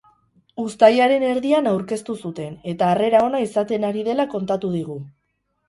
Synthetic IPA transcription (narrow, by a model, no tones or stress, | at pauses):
ust̪ajaɾe̞ne̞ɾðianawɾke̞st̪usut̪e̞ne̞t̪aːre̞ɾao̞naisat̪e̞naɾið̞e̞lako̞nt̪at̪uð̞iɣ̞u